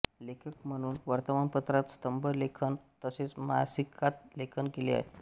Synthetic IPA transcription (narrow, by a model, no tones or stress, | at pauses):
lekʰəkm̤əɽ̃uːnʋəɾt̪əmanpət̪ɾat̪st̪əmbəɾlekʰənt̪əset͡sma̰sikʰat̪lekʰənkelia̰ɦe